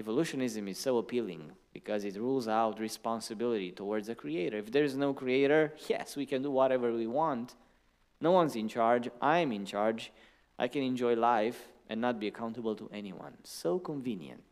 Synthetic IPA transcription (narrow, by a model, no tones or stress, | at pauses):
ɛvoluʃɨ̃nɪzɨ̃mɪz̥soʊəpʰilˠɪ̰̃ŋb̥ikʰʌzɪtɹulˠzaʊtɹispɑ̃nsɨbɪlˠɨɾitowɔɹdzəkʰɹieɪɾə˞ɪfd̪ɛɹɪznoʊkɹieɪɾə˞jɛ̰swikɛ̃nduwɔɾɛvə˞wiwɑ̃nt | noʊwʌ̃nzɪ̃nt͡ʃaɹd͡ʒʔãj̃mɪ̃nt͡ʃaɹd͡ʒ | ʔa̰ɪkɛ̃nɛ̃nd͡ʒɔjlaɪfʔɛ̰̃nːət̚biɨkʰãʊ̃ntəbəl̩ˠtʰṵʔɛnḭwʌ̰̃nsoʊkə̃ɱvĩnjɨ̰̃nt